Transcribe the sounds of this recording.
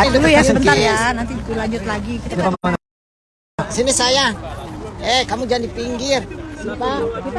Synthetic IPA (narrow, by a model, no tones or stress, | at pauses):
idulujabənajanant̪ikulaɲd͡ʒʊt̪̚laɡikit̪aaan | sinisaja | ɛkamud͡ʒandipiŋɡɪrsipaki